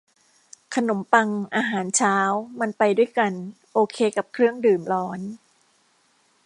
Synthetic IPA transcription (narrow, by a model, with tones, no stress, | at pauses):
kʰa˧no˩˦mpa˧ŋʔaː˧ɦaː˩˦nt͡ɕʰaː˦˥wma˧npa˧jdu˥˩əjka˧n | ʔoː˧kʰeː˧ka˨˩p̚kʰɾɯ˥˩əŋdɯː˨˩mlɔː˦˥n